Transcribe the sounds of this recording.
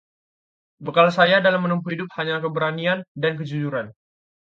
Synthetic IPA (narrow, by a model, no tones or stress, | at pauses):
bəkalasajadalamːənumpuhidʊp̚haɲakəbəɾaniandank̬əd͡ʒud͡ʒuɾan